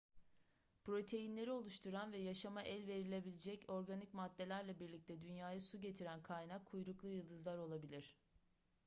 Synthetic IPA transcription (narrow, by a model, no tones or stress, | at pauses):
pɾo̞t̪ʰe̞jinlʲe̞ɾio̞lˠuʃt̪ʰuɾanvɛjaʃamaʔælʲve̞ɾilʲe̞bilʲed͡ʒɛco̞ɾɡanicmad̪ːe̞lʲæɾlʲɛbiɾlʲic̚t̪ʰɛd̪ynjaːjasuɟe̞t̪ʰiɾænkʰajnakʰːujɾuklˠujɯlˠd̪ɯzlˠaɾo̞lˠabilʲiɾ̝̥